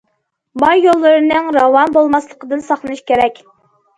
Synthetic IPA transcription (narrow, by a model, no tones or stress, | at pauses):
bɑjjolˠːɨɾɨnɨŋɾɑwɑnbolˠmɑslˠəqəd̪ɨnsɑχlˠɨnɨʃkʲeɾɛkʲ